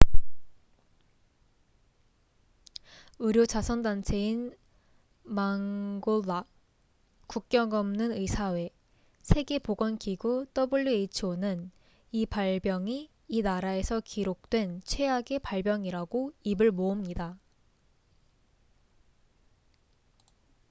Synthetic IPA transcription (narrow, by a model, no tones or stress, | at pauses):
ɯɾjot͡ɕasʰʌndant͡ɕʰe̞in | maŋɡolːa | kuk̚k͈jʌŋʌmnɯnɯisʰawe̞ | sʰe̞ɡe̞poɡwʌnkiɡut͈ʌbɯʎːiet͡ɕʰonɯn | ipaɭbjʌŋi | inaɾae̞sʰʌkiɾok̚t͈we̞nt͡ɕʰwe̞aɡe̞paɭbjʌŋiɾaɡoibɯɭmoumɲida